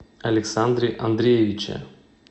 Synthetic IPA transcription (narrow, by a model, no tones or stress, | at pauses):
ɐlʲɪksand̪ɾʲɪʔɐnd̪ɾʲejevʲɪt͡ɕɪ̰